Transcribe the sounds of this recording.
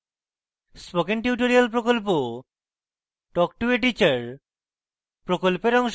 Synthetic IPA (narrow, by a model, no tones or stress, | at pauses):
spokenʈjuʈoɾialpɾokolp̬o | ʈɔk̚ʈueʈ̬it͡ɕaɾ | pɾokolpeɾɔŋʃ